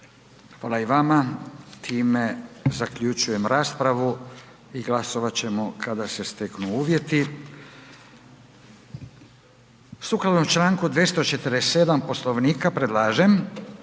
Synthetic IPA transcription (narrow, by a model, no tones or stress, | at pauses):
xʋaːlaiʋamat̪ʰiːme̞zakʎut͡ʃuje̞mɾaːspɾaʋu | iɡlasoʋat͡ɕe̞mokʰad̪ase̞st̪eknuuːʋje̞t̪i | sukɾalnomt͡ʃlaːŋkud̪ʋjest̪o̞t͡ʃet̪ɾese̞d̪ampo̞slo̞ʋniːkapɾed̪laːʒem